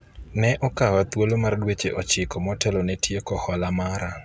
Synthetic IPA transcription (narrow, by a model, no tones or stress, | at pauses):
nɛʔɔkawat̪wolomardwet͡ʃeʔɔt͡ʃɪkɔmɔtɛlonetʰjekɔhɔlamaɾa